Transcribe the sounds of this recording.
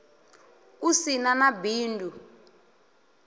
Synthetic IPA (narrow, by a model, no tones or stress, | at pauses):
usinanabiːndʱu